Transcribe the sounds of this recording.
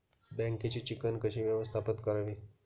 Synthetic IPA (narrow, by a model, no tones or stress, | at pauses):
bɛ̃ŋket͡ɕiːt͡ɕikənkəɕiːʋjəʋəst̪ʰapət̪kəɾəʋi